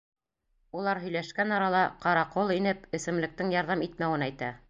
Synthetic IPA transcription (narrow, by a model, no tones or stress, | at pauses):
ulˠɑɾɦɵ̆jlæʃkænɑɾɑlˠɑqɑɾɑqolˠinɘpɘ̆sɘ̆mlɘ̆k̚t̪ɘŋjɑɾðɑmit̪̚mæwɘnæjt̪æ